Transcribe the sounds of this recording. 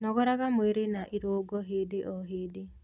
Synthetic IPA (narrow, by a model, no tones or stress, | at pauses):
nɔɣɔɾaɣamweɾenaʔiɾoːɡɔɦeːdeʔɔɦeːde